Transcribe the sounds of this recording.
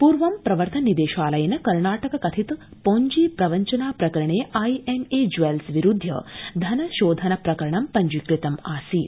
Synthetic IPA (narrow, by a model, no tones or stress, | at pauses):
puːɾʋɐmpɾɐʋɐɾt̪ʰɐnnːid̪eːʃaːlɐjɐnɐkɐɾɳaːʈɐkɐkɐt̪ʰit̪poːɲd͡ʒiːpɾɐʋɐɲt͡ʃɐnaːpɾɐkɐɾɐɳeːɐjemeːd͡ʒʋelsʋiɾud̪ʱjɐ̰d̪ʱɐnɐʃoːd̪ʱɐnɐpɾɐkɐɾɐɳɐmpɐɲd͡ʒikɾit̪ɐmaːsiː